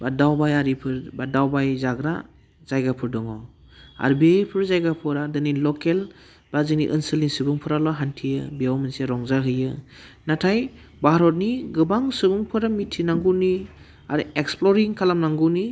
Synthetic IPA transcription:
badawbajaɾipʰɯɾbadawbajzaɡɾa̰ | zajɡapʰuɾdɔŋa̰w | a̰ɾbijpʰɯɾzajɡapʰɔɾadɯnilɔkel | b̥azɯniʔɯnsɯlinsɯbɯŋpʰɯɾalɔɦantʰijɯbijawmɯnseɾɔŋzaɦɯjɯ | natʰaj | baɾɔt̬̚niɡɯbaŋsɯbuŋpʰɯɾamitʰːinaŋɡuni | a̰ɾieksplɔɾiŋkʰalamnaŋɡuni

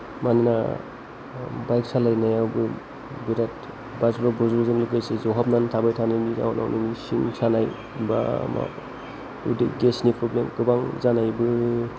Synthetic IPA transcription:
manina | bajksalajnajawbɯ | biɾat̚ | basɾabɔzuzɯŋlɯɡajsezɔɦap̚nantʰabajtʰanajniza̰wna̰wninisiŋsanaj | ba̰ma̰ | ṵdḭɡesnipʰɾɔblemkɯbaŋzanajbɯ

